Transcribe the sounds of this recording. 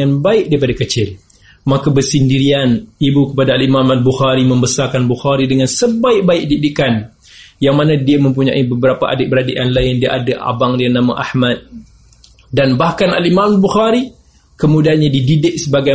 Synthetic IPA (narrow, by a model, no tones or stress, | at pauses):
anbaɪʔ̚daɾipadakət͡ʃɪl | makabərsindiɾianibukəpadaːlimãmalbuxaɾimə̃mbəsarkanbuxaɾidəŋansəbaɪʔ̚baɪʔ̚didɪkan | jaŋmanadiamə̃mp̬uɲa̰ʔibəbəɾapaʔa̰dɪʔbəɾadḛʔjanlaɪndia̰ʔadaʔa̰baŋdianãma̰ʔahmat̪̚ | danbahkana̰limãmalbuxaɾi | kəmudaanɲadididɪʔ̚səbaɡa